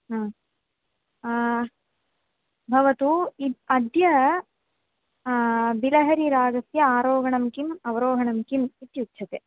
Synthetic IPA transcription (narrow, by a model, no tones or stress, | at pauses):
ɦa | bʱɐʋɐt̪uiɐd̪jɐ | bilɐɦɐɾiɾaːɡɐsjɐaːɾoːɡɐɳɐmkimɐʋɐɾoːɦɐɳɐmkimit̪jukːt͡ʃʰɐt̪e